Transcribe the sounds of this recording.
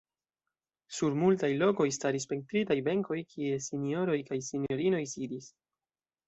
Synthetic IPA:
suɾmultajlo̞ko̞jstaɾispe̞ŋk̚t̪ɾitajbe̞ŋko̞jkʰie̞sinio̞ɾo̞jkajsinjo̞ɾino̞jsidis

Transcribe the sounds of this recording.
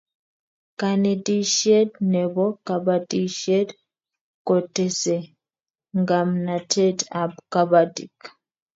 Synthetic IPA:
kanediʃedneβokaβadiʃed | kotese | ŋɡamnatʰetabkaβatḭk

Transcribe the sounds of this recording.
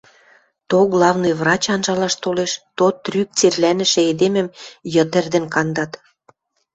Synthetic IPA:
t̪oɣlɑvnɤjvrɑt͡ɕɑnʒɑlɑʃt̪oleʃt̪ot̪ːryk̚t͡serlænə̆ʃĕed̪emə̆mjə̆t̪ə̆rd̪ə̆nkɑnd̪ɑt̪

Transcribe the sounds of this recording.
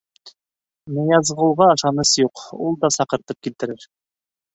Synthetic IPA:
nɤ̆jɑzʁɤ̆lˠʁɑːʃɑnɤsjuqulˠd̪ɑsɑqɤ̆ɾt̪ɤp̚kilt̪ɘ̆ɾɘɾ

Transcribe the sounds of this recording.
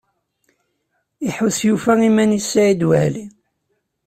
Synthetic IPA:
iħuθjufæimænisːaʕid̪wəhli

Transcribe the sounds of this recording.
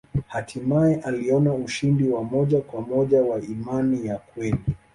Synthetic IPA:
hatʰimaɛʔaliɔnauʃindiwamɔʄakwamɔʄawaimanijakwɛli

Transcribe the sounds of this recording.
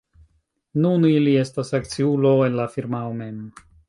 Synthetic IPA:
nunilie̞stasak̚t͡siulo̞e̞nlafiɾmaome̞m

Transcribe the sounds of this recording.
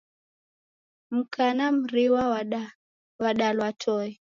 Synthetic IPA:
m̩kʰanam̩ɾiwaw | waɗalwatʰɔi

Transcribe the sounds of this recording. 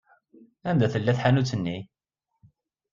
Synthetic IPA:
ænd̪æθəlːæθħanut͡sːənːi

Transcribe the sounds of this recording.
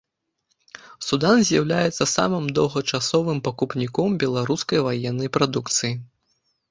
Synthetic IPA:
sud̪anzʲjɐwlʲajɛt̪sːɐsa̰mɨmd̪ɐwɣɐt͡ʂasɔvɨmpɐkupnʲikɔmbʲɛlˠaɾuskɐjvajɛnːɐjpɾad̪ukt̪sɨji

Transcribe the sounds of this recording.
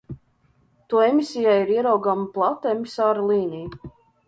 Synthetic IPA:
t̪uɔemisijajiɾiɛɾawɡamplˠat̪aemisaːɾlˠiːnij

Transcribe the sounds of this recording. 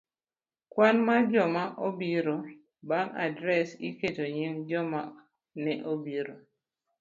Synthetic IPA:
kwanmad͡ʒɔmaʔobiɾo | baŋa̰dɾɛsiketoɲiŋd͡ʒɔma | nɛʔobiɾo

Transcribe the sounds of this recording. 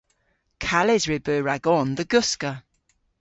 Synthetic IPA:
kʰalɪzɹɪbəːɹaɡɔnðəɡʊskə

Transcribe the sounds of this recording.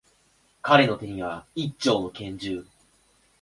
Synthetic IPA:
kaɾe̞no̞t̪e̞ɲ̟iβait͡ɕːo̞ːno̞kẽ̞ɲ̟d͡ʑɨː

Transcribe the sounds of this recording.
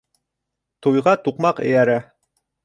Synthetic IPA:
t̪ujʁɑt̪uqmɑqɘ̰̆jæɾæ

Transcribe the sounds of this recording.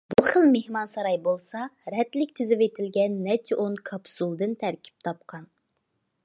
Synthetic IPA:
buχəlˠmehmɑnsɑɾɑjbolˠsɑɾɛt̪lɪkʲt̪ʰɪzɪvet̪ʰɪlɡʲɛnːɛt͡ʃ̪ʰiʔonkʰɑpsulˠd̪ɨnt̪ʰæɾkʲʰi̥p̚t̪ʰɑp̚qʰɑn

